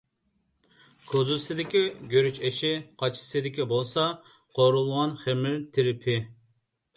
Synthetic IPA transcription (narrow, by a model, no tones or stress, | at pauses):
kʰozusɪd̪ɪkʲiɡʲøɾyt͡ʃeʃɪqʰɑt͡ʃʰi̥sɪd̪ɪkʲibolˠsɑ | qʰoɾulˠʁɑnχemɪlt̪ʰɪɾɪpʰɪ